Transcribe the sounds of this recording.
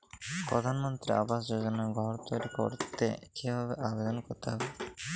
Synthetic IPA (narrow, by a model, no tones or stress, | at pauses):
pɾɔd̪ʱanmɔnt̪ɾia̰basd͡ʒod͡ʒɔnaɡʱɔɾt̪ɔjɾiko̰ɾt̪ekʰebʱabeʔabed̪ɔnkɔɾt̪eɦɔbe